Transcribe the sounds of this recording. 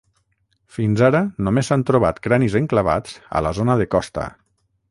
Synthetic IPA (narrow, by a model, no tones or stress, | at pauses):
finzaɾənomezant̪ɾoβ̞a̰t̪kɾanizəŋklaβa̰d͡zə̰lazonəðəkɔst̪ə̰